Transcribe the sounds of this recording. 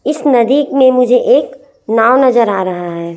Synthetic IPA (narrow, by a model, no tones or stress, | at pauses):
ɪsnɐd̪iːkmẽmʊd͡ʒʱeʔeːk | naːwnɐzəɾaːɾɐɦaɦɛː